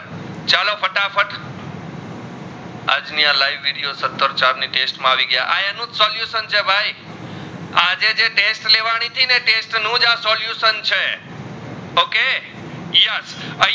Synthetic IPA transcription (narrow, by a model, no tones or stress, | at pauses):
t͡ʃalofʰəʈafʰəʈʰ | a̰d͡ʒnialajʋːiɽijosət̪ːəɾt͡ʃaɾniʈesʈmãaʋiɡəja̰ʔa̰eənũt̪sɔljusənt͡ʃʰebʱaj | ad͡ʒed͡ʒeʈesʈleʋaɽ̃it̪ʰineʈesʈnũd͡ʒasɔljusənt͡ʃʰe | oke | jɛsə